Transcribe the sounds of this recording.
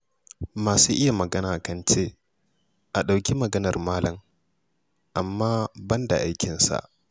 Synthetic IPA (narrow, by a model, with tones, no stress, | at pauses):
maː˨suː˦ʔɪ˦ja˨mɐ˨ɡɐ˦naː˨kɐ˦nt͡ʃeː˦ | ʔa˨ɗa˨wkʲi˦mɐ˨ɡɐ˦nɐ˨rmaː˦lɐ˨m | ʔa˨mːaː˦bɐ˦nda˨ʔa˦jkʲɪ˨nsa̰˨ʔ